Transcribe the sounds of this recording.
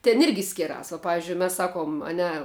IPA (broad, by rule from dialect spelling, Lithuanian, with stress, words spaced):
tʲɛn ˈɪrʲɡʲɪ ˈsʲkʲɪrɐs ʋɐ ˈpɑːʋʲɪzʲd͡ʒʲʊɪ ˈmʲɛs ˈsɑːˌkuɔm ɐ ˈnʲɛ